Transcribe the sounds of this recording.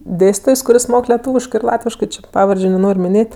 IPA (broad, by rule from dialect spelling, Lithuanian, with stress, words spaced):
ˈdʲeːsʲtʲiːtoːjs kʊˈrʲɪs ˈmoːk lʲɛˈtuːʋʲɪʃkɜ ɪr ˈlˠɑːtʲʋʲɪʃkɜ ˈt͡ʃʲɪ ˈpɑːʋɐrʲd͡ʒʲʊ nʲɛˈnoːrʲ mʲɪˈnʲeːtʲ